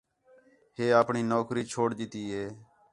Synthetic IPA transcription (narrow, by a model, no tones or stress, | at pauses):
heːaːpɳiːnoːkʰɾiːt͡ʃʰoːɽɗɪt̪iːɦeː